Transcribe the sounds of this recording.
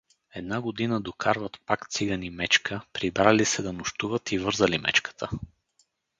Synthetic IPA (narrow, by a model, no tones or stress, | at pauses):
ɛd̪naɡod̪inəd̪okaɾvət̪pakt̪siɡənimɛt͡ʃkʰəpɾibɾalisɛd̪ɐnʊʃt̪uvət̪ivɤɾzəlimɛ̰t͡ʃkə̥t̪ə